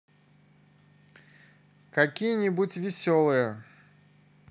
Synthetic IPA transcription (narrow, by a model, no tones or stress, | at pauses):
kɐkʲijənʲibutʲvʲɪsʲolˠɨjə